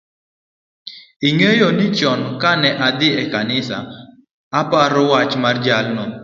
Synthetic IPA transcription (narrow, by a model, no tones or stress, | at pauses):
iŋejonit͡ʃɔnkanɛʔad̪ɪɛkanɪsa̰ | apaɾɔwat͡ʃmard͡ʒalnɔ